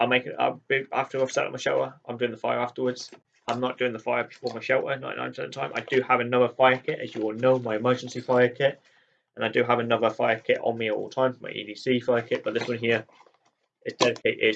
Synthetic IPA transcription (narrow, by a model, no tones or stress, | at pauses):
ãɪ̃meɪkɪ̃ə̰bɪa̰ftəaɪ̥sɛ̰n̩maɪʃoʊʔəʔãɪ̃mdʉːɪ̃ŋðəfaɪəɹaftəwədz̥ | ãɪ̃mnəʔ̚d̥ʉːɪ̃ŋðəfaɪəb̥ɪfɔːɹmaɪʃoʊʔəna̰ɪʔnã̰ɪ̃ntʰə̰̃ntʰãɪ̃mʔa̰ɪdɨəvənʌðəfaɪəkʰɪtə̰zjəwɪlˠnoʊmaɪɨmɜːˑd͡ʒə̃n̩sifaɪəkʰɪt | ə̃naɪdɨəvənʌðəfaɪəkʰɪtn̩miətɔ̰lˠtʰãɪ̃mfəma̰ɪʔḭːvisifaɪəkʰɪʔ̚b̥ʌt̪̚ðɪswʌ̃nɦɪə | ʔɪzdɛɾɪkʰeɪtɪz